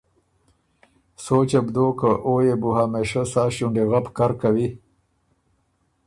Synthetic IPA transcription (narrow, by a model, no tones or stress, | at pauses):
soːt͡ʃebd̪okəʔojebuhameʃəsaːʃuɳɖeɣapkaɾkawi